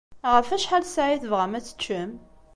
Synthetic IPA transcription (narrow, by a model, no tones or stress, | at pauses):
ʁəfæʃħalsaʕiθəvʁəmæt͡sːə̥t͡ʃːəm